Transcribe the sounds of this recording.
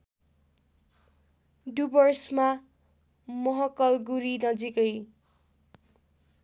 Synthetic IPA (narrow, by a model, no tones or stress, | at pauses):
ɖubʌrsma | mʌɦʌkʌlɡuɾinʌd͡zikʌj